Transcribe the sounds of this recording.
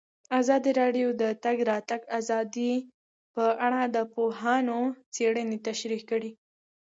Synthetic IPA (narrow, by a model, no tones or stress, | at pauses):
azɑd̪iɾɑɖjod̪ət̪aɡɾɑt̪aɡazɑd̪i | pəʔaɽad̪əpoɦɑnot͡seɽənet̪aʃɾikəɽi